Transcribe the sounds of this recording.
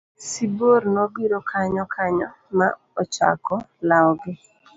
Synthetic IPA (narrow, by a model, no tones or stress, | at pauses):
siboɾnobiɾokʰaɲɔkʰaɲɔ | ma̰ | ɔt͡ʃa̰kɔlaɔɡɪ